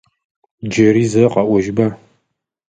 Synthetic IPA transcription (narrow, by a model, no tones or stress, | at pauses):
d͡ʒɐɾiːzɐqɐʔʷɔʒbɐ